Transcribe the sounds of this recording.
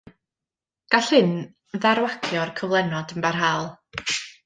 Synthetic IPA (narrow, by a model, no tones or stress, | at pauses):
ɡ̥aɬhɨn | ðaɾwakʰjɔrkʰəvlˠɛnɔdəmbarɦalˠ